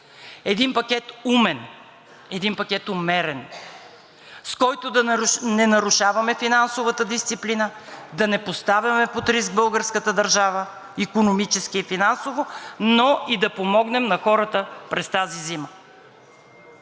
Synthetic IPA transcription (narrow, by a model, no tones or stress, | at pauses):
ɛd̪inpɐkʲɛt̪umɛn | ɛd̪inpɐkʲɛt̪ʊmɛɾɛn | skɔjt̪ʊd̪ɐnɛnɐɾuʃavɐmɛfinansovət̪əd̪ist̪siplinəd̪ɐnɛpost̪avjɐmɛpot̪ɾis̬ɡ̚bɤlˠɡəɾskət̪əd̪ɐɾʒavə | ikonomit͡ʃɛskiːfinansovonoid̪ɐpomɔɡnɛmnɐxɔɾət̪əpɾɛst̪azizimə